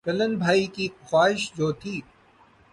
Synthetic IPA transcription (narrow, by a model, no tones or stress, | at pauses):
kɐlənbʱaːikixwaːɦɪʃd͡ʑoːt̪ʰiː